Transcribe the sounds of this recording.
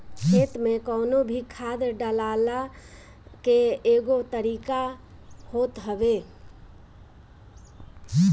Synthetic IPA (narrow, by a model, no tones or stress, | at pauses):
kʰet̪mẽkɔʊnobʱikʰad̪ɖəlala | keeɡot̪əɾika | hot̪ɦəʋe